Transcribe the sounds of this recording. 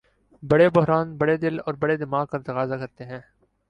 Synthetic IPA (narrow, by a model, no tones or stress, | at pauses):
bɐɽebʊɦɾaːnbɐɽed̪ɪlɔːɾbɐɽed̪ɪmaːɡpɐɾt̪ɐkaːzakɐɾt̪eɦɛ̃ː